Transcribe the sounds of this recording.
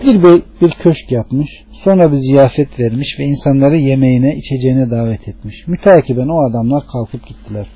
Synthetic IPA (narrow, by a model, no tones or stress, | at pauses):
biɾbejbiɾcʰøʃcjapmɯʃ | so̞nɾabizijaːfɛt̪væɾmiʃvɛinsanlˠaɾɯje̞mejinɛit͡ʃʰed͡ʒejinɛd̪aːvɛt̪ʰɛt̪miʃmyt̪ʰaːcʰibænoad̪amlˠaɾkʰalˠkʰɯp̚ɟit̪ʰːilʲæɾ̥